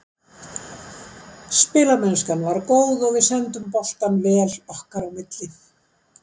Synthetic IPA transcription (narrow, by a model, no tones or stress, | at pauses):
spɪːlaɾmɛnskanvaɾkoːwðɔɣvɪðsɛnt̪ʏmpɔl̥t̪anvɛːlɔhkaɾawmɪt̪lɪ